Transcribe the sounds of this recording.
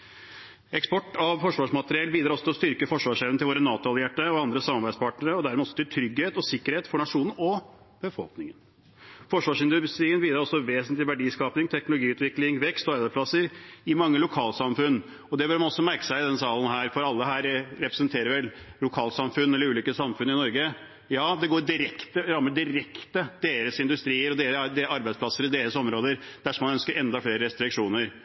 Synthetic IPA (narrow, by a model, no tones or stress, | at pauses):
ɛkspɔʈːɑʋfɔʂʋɑːʂmɑt̪əɾɪɛlbiːd̪ɾɑɾɔsɔt̪ɪlɔst̪ʏɾkəfɔʂʋɑːʂɛʋnt̪ɪloːɾənɑːt̪ʊɑljæʈːəɔɑnd̪ɾəsɑmːɑɾbæɪspʰɑʈnəɾəɔd̪æɾmɛːɔsːɔt̪ɪlt̪ʰɾʏɡheːt̪ɔsɪkːəɾheːt̪fɔɳɑʂuːnn̩ɔ | b̥əfɔ̰lknɪŋən | fɔʂʋɑːʂɪnd̪ʉst̪ɾiːənbiːd̪ɾɑɾɔsːɔʋeːsnt̪lɪʋæɖiːskɑːpnɪŋt̪ʰɛknʊlʊɡiːʉːt̪ʋɪklɪŋʋɛkst̪ɔɑɾbæsplɑsəɾɪmɑŋːəlʊkʰɑːlsɑmfʉnː | ɔd̪ɛbøːɾmɑnɔsːɔmæɾkə̥sæɪɪd̪ɛnsɑːlənɦæːɾfɔɾɑlːəɦæːɾɾɛpɾɛsənt̪ʰeːɾəɾʋɛllʊkʰɑːlsɑmfʉnːɛlːəɾʉːliːkəsɑmfʉnːəɪnɔɾɡə | jɑːd̪ɛɡoːɾɖɪɾɛkt̪əɾɑmːəɖɪɾɛkt̪əd̪̥eːɾəsɪnd̪ʉst̪ɾiːəɾɔd̪eːɾəd̪eɑɾbæɪsplɑsəɾɪd̪eːɾəsɔmɾoːd̪əɾd̪̥æʂɔmɑnœnskəɾʔɛnd̪ɑfleːɾəɾɛst̪ɾɪkʂuːnəɾ